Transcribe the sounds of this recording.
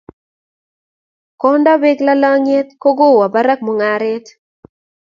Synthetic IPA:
kɔ˦ndɔ˦be˦ɡla˦lɔ˦ŋe˦t̪ko˦ɡo˦˨wa˨ba˦ɾa˦k̚mo˨ŋa˨ɾɪ˦t

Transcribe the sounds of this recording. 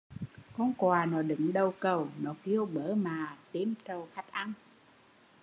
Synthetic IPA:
kɔ˧nkwaː˨˩nɔ˨˦ɗɨ̰˨˦ŋɗə˨˩wkə˨˩wnɔ˨˦ki˧əwɓəː˨˦maː˨˩t̪i˨˧˦nt͡ɕə˨˩wxa˦˥jk̚ʔa˧n

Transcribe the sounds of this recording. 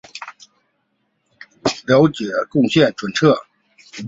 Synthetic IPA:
ljo˧˥ʊt͡ɕjɛ˨˩˦kʊ˥˧ŋɕjɛ˥˩nʈ͡ʂʰwə˨˥nʈ͡ʂʰɤ˥˩

